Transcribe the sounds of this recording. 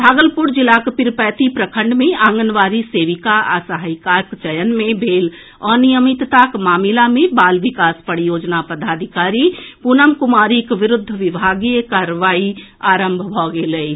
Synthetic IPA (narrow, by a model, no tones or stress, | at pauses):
bʱaːɡəlpuɾd͡ʒilakpiɾpɛːt̪ipɾəkʰə̃ɳɖmeaːŋɡənʋaːɾiseʋikaʔasəɦajkakt͡ʃəjənmebʱeːl | ɔnijəmit̪t̪akmaːmilamẽbaːlʋikaːspəɽijoːd͡ʒnapəd̪aːd̪ʱikaːɾipunəmkumaːɾikʋɪɾʊd̪ʱːʋibʱaɡikaɾʋaːi | aːɾəmbʱbʱɔɡeləi